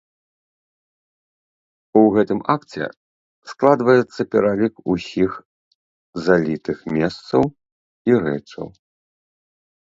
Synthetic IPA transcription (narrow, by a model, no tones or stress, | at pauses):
uɣɛt̪ɨmakt͡sʲɛ̰ | sklˠad̪vɐjɛt̪sːɐpʲɛɾalʲikusʲix | zalʲit̪ɨxmʲɛst̪sɐw | iɾɛ̰t͡ʂɐ̰w